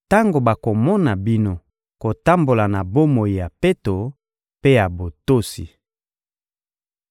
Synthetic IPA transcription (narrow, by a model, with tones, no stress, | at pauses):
ta˦ŋɡo˨ba˨ko˨mɔ˦na˨bi˦no˦ | ko˨ta˦mbo˨la˨na˨bo˦mo˨ji˨ja˨pe˦to˨ | pe˦ja˨bo˨to˦sḭ˨